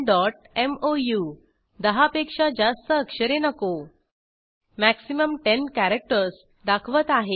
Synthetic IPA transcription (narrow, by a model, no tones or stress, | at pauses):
ɖɔʈ̚ | emoju | d̪əɦapekʂad͡ʑast̪əːkʂəɾenəko | mæksiməmʈenkæɾək̚ʈəɾs | d̪akʰʋət̪aɦe